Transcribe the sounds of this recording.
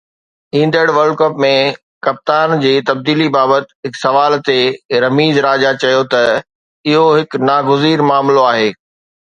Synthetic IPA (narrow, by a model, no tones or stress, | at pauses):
ĩːn̆d̪əɽʋɐlɖ̚kɐpmẽ | kɐp̚t̪aːnd͡ʑiːt̪ɐb̚d̪iːlibaːbət̪ɦɪksɐʋaːlt̪eɾɐmiːzɾaːd͡ʑat͡ɕɐjot̪ɐ | ɪɦoɦɪknaːɡʊziːɾmaːmloaːɦeː